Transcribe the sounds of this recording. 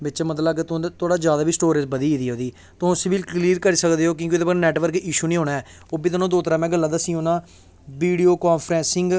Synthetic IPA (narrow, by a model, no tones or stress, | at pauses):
bɪt͡ʃːmət̪ləbkɪt̪ːt̪oːɽaːd͡ʒjaːd̪aːbiːsʈoːɾezbəd̪iːiːd̪iːɦoːd̪iː | t̪ʊõsɪbilkliːɾkəɾiːsəkd̪eːɦoːk̬jõːkid̪eːpaɾnɛːʈʋəɾkiːʃuːnĩːɦoːnaːɦɛː | oːbiːt̪onõːd̪oːt̪əɾãːmɛ̃ːɡəlːãːd̪əsĩːɦoːnãː | ʋiːɖijoːkaːnpʰɾɛ̃ːsɪŋɡ